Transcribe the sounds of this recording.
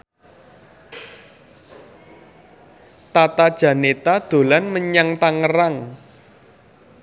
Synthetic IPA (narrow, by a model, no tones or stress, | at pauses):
t̪at̪ad̥ʒ̥ä̤net̪ad̪̥o̤lanməɲaŋt̪aŋəɾaŋ